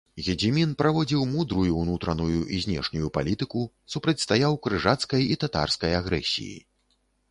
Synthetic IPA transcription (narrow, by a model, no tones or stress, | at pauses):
ɣʲɛd͡zʲimʲinpɾavɔd͡zʲiwmud̪ɾujuwnut̪ɾɐnujuʔizʲnʲɛ̰ʂnʲujupa̰lʲit̪ɨku | supɾɐt͡sʲst̪ajawkɾɨʐat̪skɐjit̪at̪a̰rskɐjaɣɾɛ̰sʲḭjḭ